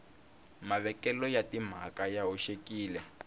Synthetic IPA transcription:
maβɛkɛlɔjatim̤akajaɦoʃekiːlɛ

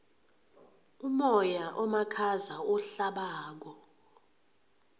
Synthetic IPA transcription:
umɔjaʔɔmakʰazaɔɬaɓaːk̬ɔ

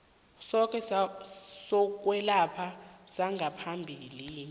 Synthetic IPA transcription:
sɔk̬ʼɛ | sɔk̬wɛlapʰasaŋʱapʰambʱililiːnɛ

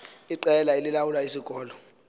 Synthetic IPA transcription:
iǃɛlaelilawulaisiɡʼɔːlɔ

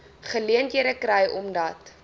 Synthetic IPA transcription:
χəliəntiəɾəkrɛjʔɔmdɐt

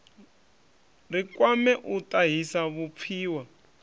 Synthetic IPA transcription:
rikwamɛʔutʼaɦisaβup̪fʰiːwa

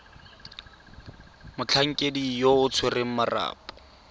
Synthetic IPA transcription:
mʊt͡ɬʰaŋ̩kʼedijoʊt͡sʰwerɪŋ̩mara̰ːpʼɔ̥

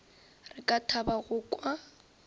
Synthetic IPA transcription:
rɪkʼatʰabaɣʊkʼwa

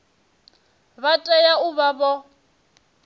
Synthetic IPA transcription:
βatʼɛjaʊβabɔ

